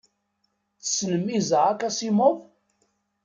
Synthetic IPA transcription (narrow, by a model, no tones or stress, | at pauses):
θə̥snəmːizəʕakæsimoðˤ